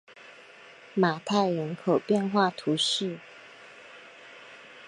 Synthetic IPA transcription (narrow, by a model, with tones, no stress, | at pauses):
ma˨˩t̪ʰa˥˩ɪɻə˧˥nkʰo˨˩ʊpjɛ˥˧nxwa˥˨t̪ʰu˨˥ʂɻ̩˥˩˨